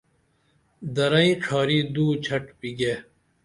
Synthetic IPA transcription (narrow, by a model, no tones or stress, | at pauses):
d̪ɐɾaːĩʈ͡ʂʰaːɾiːd̪uːt͡ɕʰɐʈpiɡeː